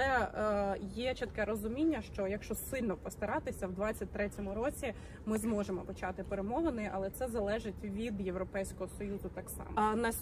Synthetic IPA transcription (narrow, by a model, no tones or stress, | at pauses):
ɛ | jɛt͡ʃɪt̪kɛɾɔzʊmʲinʲːɐʃt͡ʃɔjɐkʃt͡ʃɔsɪlʲnɔpɔst̪ɐɾɑt̪ɪsʲɐwd̪ʋɑt͡sʲːɐt̚ʲt̪ɾɛtʲɔmʊɾɔt͡sʲi | mɪzmɔʒemɔpɔt͡ʃɑt̪ɪpeɾemɔʋenɪʔɐlˠɛt̪sɛzɐlˠɛʒɪtʲʋʲid̪jewɾɔpɛjsʲkɔɦɔsɔjuzʊt̪ɑksɑ̰mnɐ